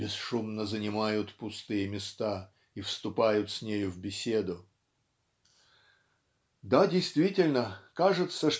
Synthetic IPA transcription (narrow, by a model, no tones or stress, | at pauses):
bʲɪsʂumnəzənʲɪmajʊt̪pʊst̪ɨjəmʲɪst̪a | ifst̪ʊpajʊt̪sʲnʲejʊvbʲɪsʲe̞d̪ʊ | d̪adʲɪjst̪vʲitʲɪlʲnəkaʐɨt̪səʂ